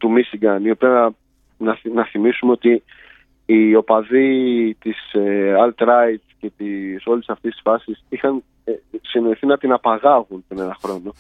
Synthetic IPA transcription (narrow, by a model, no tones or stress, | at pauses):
t̪umisiɡɐnio̞piɐ | nɐnɐθimisumeo̞t̪iː | o̞pɐðit̪iseɐlt̪ɾɐj̪ce̞t̪iso̞lisɐft̪isi̥sfɐsisixɐn | sinoiθinɐt̪inɐpɐɣɐɣunpɾine̞nɐxɾo̞no